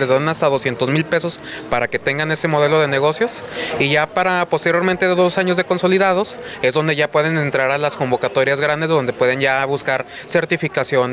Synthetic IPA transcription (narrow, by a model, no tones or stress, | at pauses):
lezβanast̪aðo̞sje̞nt̪o̞zmilpe̞so̞spaɾake̞t̪e̞ŋɡane̞se̞mo̞ð̞e̞lo̞ð̞e̞ne̞ɣ̞o̞sjo̞siʝapaɾapo̞st̪e̞ɾjo̞ɾment̪e̞ðeðo̞saɲo̞zðe̞ko̞nso̞liðað̞o̞se̞zðo̞nd̪e̞ʝapwe̞ð̞e̞ne̞nt̪ɾaɾalasko̞mbo̞kat̪o̞ɾjazɣɾand̪ezðo̞nd̪e̞pwe̞ð̞e̞nʝaβuskaɾse̞ɾt̪ifikasjo̞n